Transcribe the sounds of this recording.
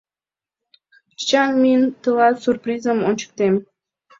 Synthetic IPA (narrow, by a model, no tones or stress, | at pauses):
t͡ɕɑnmiənt̪əlɑt̪surprizəmonʲt͡ɕə̥k̚t̪em